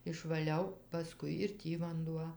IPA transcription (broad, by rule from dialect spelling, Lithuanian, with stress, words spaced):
ɪʃʋɐˈlʲɛʊ pɐˈskʊɪ ɪr ˈtʲiː ʋɐnˈduɔ